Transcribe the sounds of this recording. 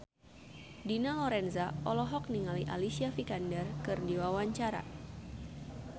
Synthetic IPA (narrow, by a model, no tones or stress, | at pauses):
dinalɔɾɛnzaʔɔlɔɦɔk̚niŋaliʔa̰lisiafikandɛrkɨrdiwawaɲt͡ʃaɾa̰